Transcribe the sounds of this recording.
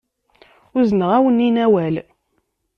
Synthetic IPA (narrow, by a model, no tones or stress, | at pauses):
ʊznəʁæwənːinæwæl